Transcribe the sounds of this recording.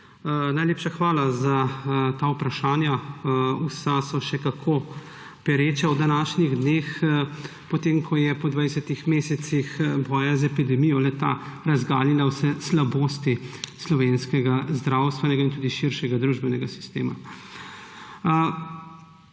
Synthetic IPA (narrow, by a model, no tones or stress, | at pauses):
najleːpʃaxʋaːlazat̪aːupɾaʃaːnjausasɔʃɛkakʰo | pɛɾeːt͡ʃawd̪anaːʃniɣd̪neːx | pɔt̪eːmkʰɔjɛpɔd̪ʋaːjɛsɛt̪ixmeːsɛt̪sixbɔːjazɛpid̪ɛmijɔlɛt̪a̰ɾazɡaːlilawsɛslaboːst̪islɔʋeːnskɛɡazd̪ɾaːwst̪ʋɛnɛɡaint̪uːd̪iʃiɾʃɛɡad̪ɾuːʒbɛnɛɡasi̥st̪ḛːma̰